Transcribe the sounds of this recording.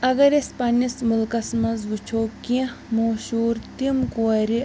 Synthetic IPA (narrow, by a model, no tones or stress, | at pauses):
ɐɡɐɾespɐnismʊlkɐsmɐzʋut͡ʃʰoːkĩmoːʃuːɾt̪imkoɐɾi